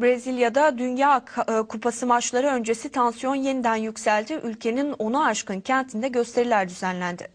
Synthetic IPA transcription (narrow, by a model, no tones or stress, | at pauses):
bɾezilʲjad̪ad̪ynjaːkʰupʰasɯmat͡ʃlˠaɾɯø̞nd͡ʒe̞sit̪ʰansijo̞nje̞nid̪ænjycʲsælʲd̪iʔylʲcʰe̞nino̞naːʃkɯncʰænt̪ʰind̪ɛɟø̞st̪ʰe̞ɾilʲæɾd̪yzænlʲænd̪ɪ̰